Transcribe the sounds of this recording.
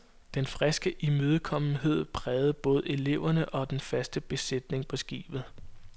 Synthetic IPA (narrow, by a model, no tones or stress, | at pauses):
d̥enfʁɛsɡ̥əʔimøð̞ˠəkʰɒ̽mn̩ɦe̝ð̰ˠpʰʁɛːð̞̩ˠb̥ɔ̽ːð̞̩ˠe̝le̝ʊ̰ɐnəʔɒ̽d̥enfæsd̥əb̥e̝sed̥ne̝ŋpʰɒ̽sɡ̥ḭːb̥ð̞̩ˠ